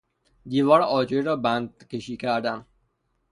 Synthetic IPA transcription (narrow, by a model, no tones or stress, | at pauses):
d̪iːvɒːɾɒːd͡ʒeɾɒːbænd̪̚kʲeʃiːkʰæɾd̪æn